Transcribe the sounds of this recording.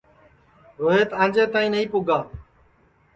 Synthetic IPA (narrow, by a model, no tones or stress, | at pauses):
ɦoɦeːt̪ãːd͡ʒeːt̪aːĩːnəĩːpʊːɡaː